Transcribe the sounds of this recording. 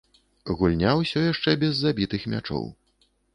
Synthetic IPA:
ɣulʲnʲawsʲɔjaʂt͡ʂɛbʲɛzːabʲit̪ɨxmʲa̰t͡ʂɔ̰w

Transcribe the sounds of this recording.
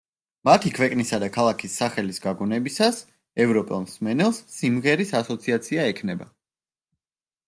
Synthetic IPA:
mat̪ʰikʰvɛkʼnisad̪akʰalˠakʰisːaχɛlisɡaɡɔnɛbisas | ɛvɾɔpʼɛlˠmsmɛnɛlˠsːimʁɛɾisasɔt̪sʰiat̪sʰiaɛkʰnɛba

